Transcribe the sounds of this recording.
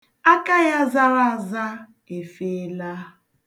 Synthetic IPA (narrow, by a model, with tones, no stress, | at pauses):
a˦kʼa˦ja˦za˦wa˦˨za˦ | ɛ˨fɛː˦la˦